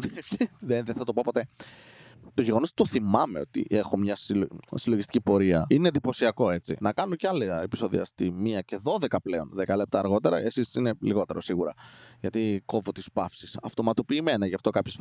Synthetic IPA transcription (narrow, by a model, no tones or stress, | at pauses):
nefçðeðeθɐt̪o̞popo̞t̪e̞ | t̪o̞ʝe̞ɣo̞nost̪o̞θimɐme̞o̞t̪ḭʔe̞xomɲɐssiloʝist̪icʲipo̞ɾiɐine̞d̪ipo̞siɐko̞e̞t͡sḭnɐkɐnuoceɐlɐepi̥so̞ðḭɐ̰st̪imiɐce̞ðo̞ðe̞kɐple̞o̞nðekɐle̞p̚t̪ɐːɾɣo̞t̪e̞ɾɐ̰esisine̞liɣo̞t̪e̞ɾo̞siɣuɾɐ̰ʝɐt̪iko̞vo̞t̪ispɐfsisɐft̪o̞mɐt̪o̞piːme̞nɐʝɐft̪o̞kɐpçe